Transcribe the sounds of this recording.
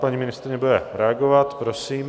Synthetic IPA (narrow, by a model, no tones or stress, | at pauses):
paɲiːmɪnɪst̪ɾɪɲɛbudɛɾɛaɡovat̪pɾo̞siːm